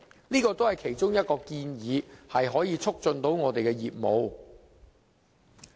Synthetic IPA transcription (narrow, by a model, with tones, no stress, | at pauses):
liː˥kɔː˧t̪o˥whɐ˨˩jkʰe˨˩jt͡sʊ˥ŋjɐ˥t̚kɔː˧kiː˧njiː˨˧hɐ˨jɦɔː˨˥jiː˨˧t͡sʰʊ˥k̚t͡ʃɵ˧nt̪o˨˥wŋɔː˨˧t̪e˨jkɛː˧jiː˨p̚mo˨˧w